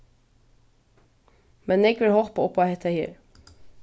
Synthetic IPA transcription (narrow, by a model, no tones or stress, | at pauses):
mɛneːɡʋɪlhɔlpəɔpːɑhet̪ʰæɪhḭːɾ